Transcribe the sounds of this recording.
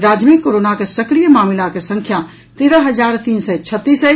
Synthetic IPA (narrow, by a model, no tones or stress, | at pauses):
ɾaːd͡ʒmikːoɾoːnakesɐkɽijəmaːmɪlakesɐ̃ŋkʰja | t̪eːɾəɦɐzaːɾt̪iːnsɛt͡ʃʰət̪ːiːsɛ